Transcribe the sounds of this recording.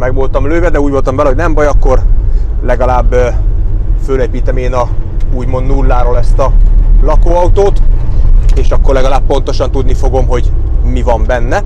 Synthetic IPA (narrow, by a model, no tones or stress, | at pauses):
mɛɡʋolt̪ɒmløːvɛd̪ɛuːɟʋolt̪ɒmvɛlɛɦoɟnɛmbɒjɒkːo̞r | lɛɡɒlaːbː | føleːpiːt̪ɛmeːnɒ | uːɟmo̞nd̪nulːaːɾoːlɛst̪ɒlɒkoːɒut̪oːt̪ | eːʃɒkːorlɛɡɒlaːppo̞n̪t̪o̞ʃɒn̪t̪ud̪nifoɡo̞mɦo̞ɟ | mivɒmbɛnːɛ